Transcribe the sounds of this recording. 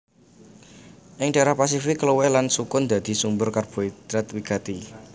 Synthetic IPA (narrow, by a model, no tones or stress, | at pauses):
ʔɪŋɖ̥aɾahpas̬ifɪkːluwɛlansukʊnd̪̥a̤d̪̥i̤sumbʊrkarb̥o̤id̪̥ɾat̪wikat̪i